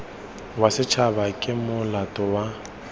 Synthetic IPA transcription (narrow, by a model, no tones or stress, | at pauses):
wasɪt͡ʃʰabakʼɪmʊlatʼɔwa